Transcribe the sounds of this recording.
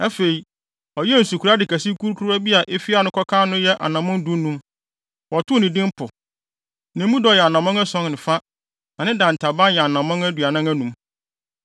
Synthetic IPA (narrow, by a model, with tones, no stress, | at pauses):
ɛ˦fe˨i˨ | ɔ˨jɛ˦n̩˨su˨kʰu˨ɾa˦dɪ˨kʰæ˨si˦kʰu˦ɾkʰu˦ɾa˦bi˦a˨ʔe˦fi˦a˨˦nʊ̃˦kʰɔ˦kʰãː˦nʊ̃˦jɛ˦ʔa̰˨nã˨mʊ̃˦n˦du˦nũ˦m | ɔ˨tʊ˦o˦nĩ˨dĩ˦m˦pʰʊ˨ | nɪ̃˨m˦mũ˦dɔ˨jɛ˨a˨nã˨mɔ̃˦ŋa˦sɔ̃˦ŋnɪ̃˨fa˦ | nã˨nɪ̃˦dã˨n˨tʰa˨bã˦jɛ˨a˨nã˨mɔ̃˦ŋæ˦dɥa˨nã˦ŋæ˦nũ˨m